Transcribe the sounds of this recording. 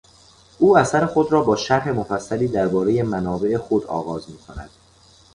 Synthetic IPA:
ʔuːæsæɾe̞xo̞d̪ɾɒːbɒːʃæɾhe̞mo̞fæsːæliːd̪æɾbɒːɾe̞je̞mænɒːbe̞ʔexod̪ɒ̰ːɣɒːzmiːkʰonæ̰d̪̥

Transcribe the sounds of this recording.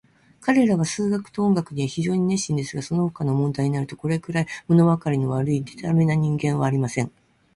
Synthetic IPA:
kaɾe̞ɾaβasɨːɡakɯ̥t̪oõŋɡakɯ̟ɲiβaçiʑo̞ːɲ̟ine̞ɕĩnd̪e̞sɨɡaso̞nohokano̞mõnd̪aiɲinaɾɯ̟t̪o̞ko̞ɾe̞kɯɾaimono̞βakaɾʲino̞βaɾɯ̟id̪e̞t̪ame̞naɲ̟ĩŋɡẽ̞ɰ̃βaːɾʲimasẽ̞ŋ

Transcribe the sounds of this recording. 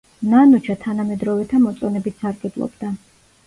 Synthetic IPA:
nanut͡ʃʰat̪ʰanamɛd̪ɾɔvɛt̪ʰamɔt̪sʼɔnɛbit̪saɾɡɛb̪lˠɔ̰bd̪a

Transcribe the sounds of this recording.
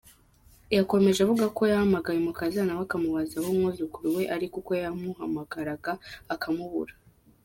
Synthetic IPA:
jako̞me̞ʒavuɡako̞jahamaɡajemukazanawakamuβazahomŋozukuɾuwe̞ʔaɾikuko̞jamuhamaɡaɾaɡaːkʰamuβṵɾa

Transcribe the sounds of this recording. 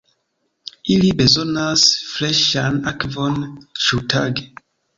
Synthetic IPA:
ilibezɔnasflɛʃanakvɔnt͡ʃutʰaɡ

